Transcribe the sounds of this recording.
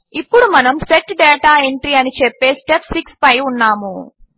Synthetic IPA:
ipːuɽumɐnɐmseʈɖɛːʈaːeɳʈɾiɐnit͡ʃepːe̞ːsʈepʰsikspɐjunːaːmu

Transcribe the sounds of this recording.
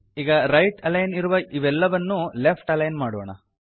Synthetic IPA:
iːɡɐɾɐjʈɐlɐjniɾuʋɐʔiʋɛlːɐʋɐnːulepʰʈɐlɐjnmaːɽɔ̰ːɳɐ̰

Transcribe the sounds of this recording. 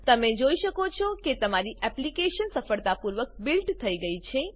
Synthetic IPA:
t̪əmẽd͡ʒoiʃəkot͡ʃʰɔket̪əmaɾiɛplikeʃənsəfəɭt̪apuɾʋək̚bilʈt̪ʰəiɡəit͡ʃʰe

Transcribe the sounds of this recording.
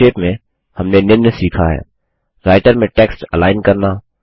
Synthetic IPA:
eːpmẽ | hɐmnenɪnnsiːkʰaɦɛ̰ː | ɾaːɪʈəɾmẽʈɛːksʈɛ̰laːɪnkɐɾnaː

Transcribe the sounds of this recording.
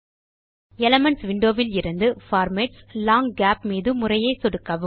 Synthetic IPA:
ɛlɐmɐɳsʋɪɳɖoːʋɪlɪɾɯnd̪ɯfaːɾmeːʈslaːŋɡaːp̚miːðɯmʊrɐjɐɪsɔɽɯkːɐʋɯ

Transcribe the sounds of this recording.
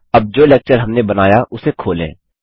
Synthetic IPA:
ɐb̚d͡ʒoːlɛːk̚t͡ʃəɾɦɐmnebɐnaːjaʔʊsekʰoːlḛ̃ː

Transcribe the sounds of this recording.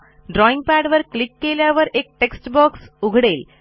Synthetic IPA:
ɖɾɔĩŋɡ̚pæɽʋəɾklikːeljaʋəɾek̚ʈeksʈbɔksuɡʱɽel

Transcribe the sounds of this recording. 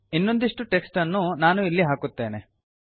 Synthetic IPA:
inːo̞nd̪iʂʈuʈe̞ksʈɐnːunaːnuilːiɦaːkut̪ːe̞ːne

